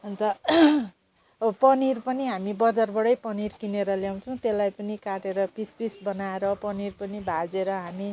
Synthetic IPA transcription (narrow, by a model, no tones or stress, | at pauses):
ʌnt̪ʌ | pʌnirpʌniɦamibʌd͡zarbʌɽʌjpʌnirkineɾʌljaw̃t͡sʰʌ̃w̃t̪elːajpʌnikaʈeɾʌpispisbʌnaeɾʌpʌnirpʌnibʱad͡zeɾʌɦami